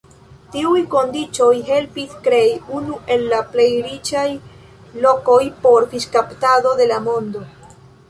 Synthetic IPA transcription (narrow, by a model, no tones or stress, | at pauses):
tiujko̞ndit͡ʃo̞jɦe̞lpiskɾe̞iunuʔe̞lːaple̞jɾit͡ʃaj | lo̞ko̞jpo̞ɾfiʃkaptado̞de̞lamo̞ndo